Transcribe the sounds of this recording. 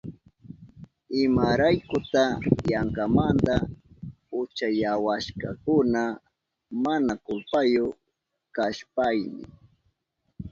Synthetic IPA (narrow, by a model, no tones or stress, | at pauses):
ɪmaɾajkʊt̪ajaŋkamand̪a | ʊt͡ʃajawaʃka̰kʊna | manakʊlpajo | kaʃpajnɪ̰